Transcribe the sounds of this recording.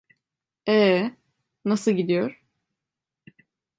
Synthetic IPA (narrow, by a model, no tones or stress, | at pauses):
ɛː | nasɯlˠɟid̪ijo̞ɾ̥